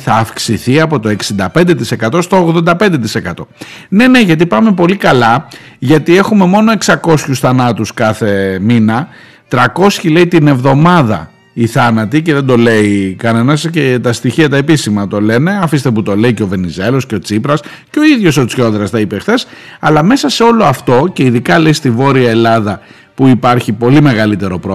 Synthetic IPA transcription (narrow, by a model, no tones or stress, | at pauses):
θɐːfksiθiɐpo̞t̪o̞e̞ksind̪ɐpe̞nd̪e̞t̪ise̞kɐt̪o̞st̪o̞ːɣðond̪ɐpend̪e̞t̪ise̞kɐt̪o̞ne̞ne̞ʝɐt̪̬ipɐme̞po̞likɐlɐ | ʝɐt̪ie̞xume̞mo̞no̞e̞ksɐko̞sçusθɐnɐt̪uskɐθe̞minɐ | t̪ɾɐko̞sçile̞it̪ine̞vðo̞mɐðɐ̰ | iθɐnɐt̪ice̞ðe̞nd̪o̞le̞ikɐne̞nɐscet̪ɐst̪içiɐt̪ɐepisimɐt̪o̞le̞ne̞ɐfist̪eput̪o̞le̞iceo̞ve̞nize̞lo̞sceo̞t͡sipɾɐs | ceo̞iðʝo̞so̞t͡sço̞ðɾɐst̪ɐipe̞xθe̞sɐlɐme̞sɐse̞o̞lo̞ɐft̪o̞ce̞iðikɐle̞ist̪ivo̞ɾiɐe̞lɐðɐ | puipɐɾçipo̞lime̞ɣɐlit̪e̞ɾo̞pɾo